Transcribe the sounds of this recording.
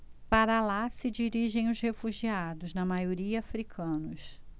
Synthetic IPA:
paɾɐlasɪd͡ʒiɾiʒẽj̃ʊzhefuʒiad̪ʊznɐmajoɾiɐafɾikʰɐ̃nʊs

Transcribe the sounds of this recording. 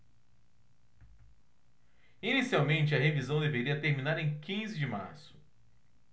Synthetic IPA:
inisiawmẽnt͡ʃɪɐɦevizɐ̃w̃d̪eveɾiɐt̪eɾmĩnaɾẽj̃kĩzɪd͡ʒɪma̰ɾsʊ̥

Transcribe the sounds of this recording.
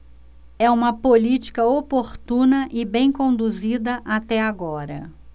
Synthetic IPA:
ɛũmɐpolit͡ʃi̥kɐopoɾt̪ũnɐʔɪbẽj̃kõnd̪uzid̪ɐʔat̪ɛaɡɔɾɐ̰

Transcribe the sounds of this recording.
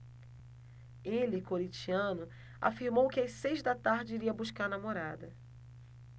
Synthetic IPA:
elɪkoɾit͡ʃiɐ̃nʊ | a̰fiɾmowkɪasejzd̪ɐt̪aɾd͡ʒɪiɾiɐbuskaɾnamoɾad̪ɐ

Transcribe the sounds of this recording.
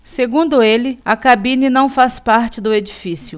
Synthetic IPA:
seɡũnd̪ʊelɪɐakabĩnɪnɐ̃w̃faspaɾt͡ʃɪd̪ʊed͡ʒifisjʊ

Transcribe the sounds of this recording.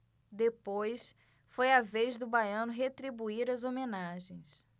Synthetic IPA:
d̪epojs | fojavejzd̪ʊbajɐ̃nʊɦet̪ɾibuiɾɐzomenaʒẽj̃s

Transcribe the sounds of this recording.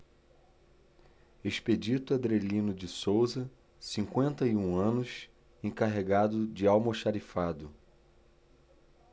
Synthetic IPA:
eʃped͡ʒit̪ʊad̪ɾelĩnʊd͡ʒɪsowzɐ | sĩŋkwẽnt̪ɐiũɐ̃nʊs | ẽkaɦeɡad̪ʊd͡ʒɪawmoʃaɾifad̪ʊ

